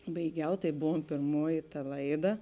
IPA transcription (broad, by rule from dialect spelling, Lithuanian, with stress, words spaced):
bɐɪˈɡʲɛʊ ˈtɐɪ ˈbʊʋoːm pʲeːrˈmuɔjɪ tɐ ˈlˠɐɪˌdɐ